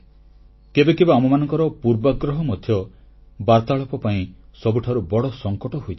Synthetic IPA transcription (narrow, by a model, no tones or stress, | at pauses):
kebekebaɔmɔmanɔ̃ŋkɔɾɔpuɾbɔɡɾɔɦɔmɔd̪ʱjɔ | baɾt̪aɭɔpɔpaĩsɔbuʈʰaɾubɔɽɔsɔŋkɔʈɔɦojd͡ʒʰ